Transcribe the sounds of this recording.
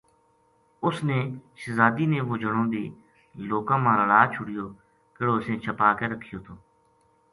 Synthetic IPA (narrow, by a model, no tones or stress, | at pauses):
ʊsneːʃəzaːd̪iːneːʋoːd͡ʒəɽõːd̪eː | loːkãːmãːɾəlaːt͡ʃʰʊɽɪjoː | kəɽoːsẽːt͡ʃʰəpaːkeːɾəkʰːɪjoːt̪ʰoː